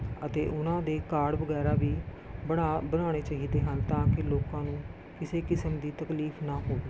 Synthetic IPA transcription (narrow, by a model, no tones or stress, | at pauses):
ət̪ḛːʔʊnãːd̪eːkaːɽʋəɡɛːɾaːʋiː | bəɽaːbənaːɽ̃eːt͡ʃaːɦiːd̪eːɦant̪ãːkɪloːkãːnũː | kɪseːkɪsəmd̪iːt̪əkliːpʰnãːɦoːeː